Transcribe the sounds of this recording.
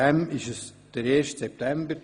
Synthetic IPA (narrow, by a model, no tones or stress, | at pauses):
ɛmɪʃəs | d̥əɾeːɾʃtsɛp̚t̪ɛmbəɾ